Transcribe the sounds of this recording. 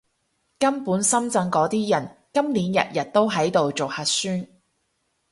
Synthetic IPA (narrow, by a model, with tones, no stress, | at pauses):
kɐ˥mpuː˨˥nsɐ˥mt͡sɐ˧ŋkɔː˨˥t̪iː˥jɐ˨˩nkɐ˥mliː˨˥njɐ̰˨t̚jɐ˨t̚t̪o˥wɦɐ˨˥jt̪o˨wt͡so˨whɐ˨˧t̚syː˥n